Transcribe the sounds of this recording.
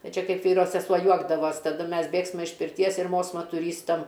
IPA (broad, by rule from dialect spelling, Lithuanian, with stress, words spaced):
ˈnɐ ˈt͡ʃʲɛ ˈkɐɪp ˈʋʲiːroː sʲɛˈsuɔ ˈjuɔɡdɐʋoːs tɐˈdʊ ˈmʲɛs ˈbʲeːksmɐ ɪʃ pʲɪrʲˈtʲiɛs ɪr ˈmoːsmɐ tʊˈrʲiːstɐm